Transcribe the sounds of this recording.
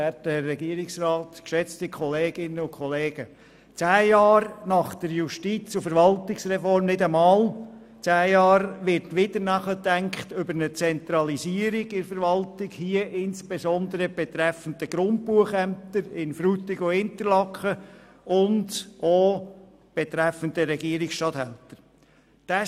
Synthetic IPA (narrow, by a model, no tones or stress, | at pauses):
ɛtəːɛɡiəɾɪksrɑːtkʃɛt͡stɪkʰχɔleːɡ̥ɪnəʊkχɔleːɡ̥ə | t͡sæːjɑːɾnɑχd̥əɾjuʃtit͡sufəɾʋɑltɪksɾɛfɔrmnɪdəmɑːl | t͡sæːjɑːɾʋɪɾtʋɪdənæχətæŋkχtʏbəɾnət͡sɛnt̪ɾɑlisiːəɾiɡɪɾfəɾʋɑltɪɡhiəʔɪnsb̥esɔnd̪əɾəb̥ɛt̪ɾɛfəndəɡ̥ɾʊnt̚puəχæmt̪əɾɪnfɾutɪɡoɪnt̪əɾlɑkχə | ʊndo | b̥ɛtɾɛfəndəɾɛɡiəɾɪksʃtɑthɛ̰ltəɾ | d̥æ